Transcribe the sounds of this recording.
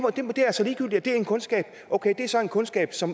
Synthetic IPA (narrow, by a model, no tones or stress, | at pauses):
d̥e̝md̥e̝æɐsɒ̽liːɡ̥yl̰d̥iæd̥e̝æɐe̝nkʰɔ̽nsɡ̥ɛ̰ːb̥ | ʔoʊkʰed̥e̝æɐsɒ̽e̝nkʰɔ̽nsɡ̥ɛ̰ːb̥sɒ̽m